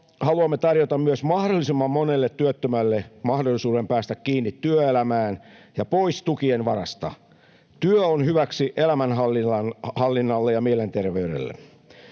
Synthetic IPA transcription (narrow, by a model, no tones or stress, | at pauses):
hɑluɑmːet̪ɑrjot̪ɑmmyøsmɑhdolːˑisimːɑmːonelːet̪ːyøt̪ːømælːemɑhdolːisuːɾempæːst̪ækːiːnːit̪ːyøelæmæːnjɑpo̞ist̪ukienʋɑ̰ɾɑst̪ɑ̰ | t̪yøonhyʋæksiʔelæmænɦɑlːiɑnhɑlːinːɑlːejɑmielent̪e̞rʋeyɾḛlːḛ